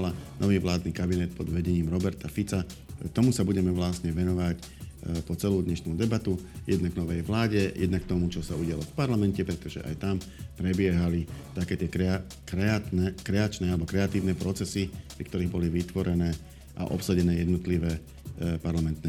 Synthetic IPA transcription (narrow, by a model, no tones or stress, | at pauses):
lanʔɔʋiːʋlaːd̪niːkabinɛt̪̚pɔd̪ʋɛɟɛɲiːmɾɔbɛɾt̪afit͡sat̪ɔmusabuɟɛmɛʋlasɲɛʋɛnɔʋac | pɔt͡sɛluːd̪ɲɛʃnud̪ɛbat̪ujɛd̪naɡnɔʋɛjʋlaːɟɛjʔɛ̰d̪nak̚t̪ɔmut͡ʃɔsauɟɪa̰lɔfpaɾlamɛncɛpɾɛt̪ɔʒɛ̰ʔa̰jt̪am | pɾɛbɪɛɦalit̪akɛːt̪ɪɛɾɛ | kɾɛat̪nɛkɾɛat͡ʃnɛːalɛbɔkɾɛat̪iːʊnɛpɾɔt͡sɛsipɾikt̪ɔɾiːɣbɔliʋit̪ʋɔɾɛnɛː | ʔa̰ʔɔ̰psaɟɛnɛːjɛd̪nɔt̪liʋɛː | paɾlamɛnt̪nɛ